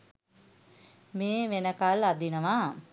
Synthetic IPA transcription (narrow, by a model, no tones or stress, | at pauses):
meːʋenəkalad̪inəʋa